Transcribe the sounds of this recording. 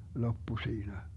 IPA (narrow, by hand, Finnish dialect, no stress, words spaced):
lopːu siːnæ